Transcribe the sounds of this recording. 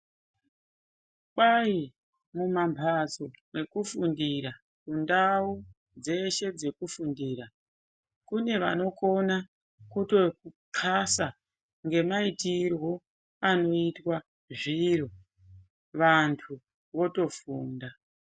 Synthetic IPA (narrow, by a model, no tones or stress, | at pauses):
kai | mumampʰazo̞e̞kufundiɾa | kundau | d͡ze̞ʃe̞d͡ze̞kufundiːɾa | kune̞ʋa̰no̞ko̞na | kuto̞ku | kʰasa | ŋɡe̞maitirwo̞ | ano̞itwa | ʐiɾo | ʋantʰu | ʋo̞to̞fuːnda